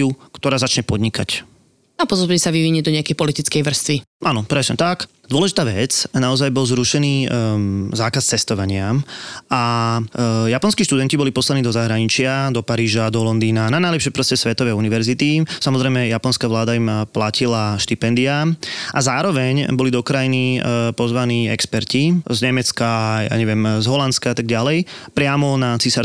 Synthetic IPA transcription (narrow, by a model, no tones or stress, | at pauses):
ukt̪ɔɾaːzat͡ʃɲɛpɔd̪ɲikac | apɔzɔbɲɛsaʋiʋiɲɛd̪ɔɲɛakɛjpɔlit̪it͡skɛjʋr̩st̪ʋiʔanɔpɾɛsɲɛ̰t̪ak | d̪ʊɔlɛʒit̪aːʋɛt͡snaɔzajbɔlzɾuʃɛniː | zaːkast͡sɛst̪ɔʋaɲɪaa | japɔnskiːʃt̪ud̪ɛncibɔlipɔslaniːd̪ɔzaɦɾaɲit͡ʃɪad̪ɔpaɾiːʒad̪ɔlɔnd̪iːnananajlɛpʃɪɛpɾɔscɛsʋɛt̪ɔʋɛjuniʋɛɾzit̪isamɔzɾɛjmɛjapɔnskaːʋlaːd̪aimplacilaʃt̪ipɛnd̪iaʔazaːɾɔʋɛɲbɔlid̪ɔkɾajinipɔzʋaniːɛ̰kspɛɾcizɲɛmɛt͡skaja̰ːɲɛʋɪɛmzɦɔlant͡skaat̪aɡɟalɛjpɾɪamɔnat͡sisa